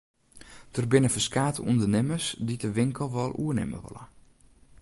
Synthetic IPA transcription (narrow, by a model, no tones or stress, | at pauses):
d̥ərbɪnəfəskaːtəuəndənɪməsditəʋɪŋkəl̩ˠʋɔlˠʔuənɪ̰mə̰ʋɔ̰lˠə̰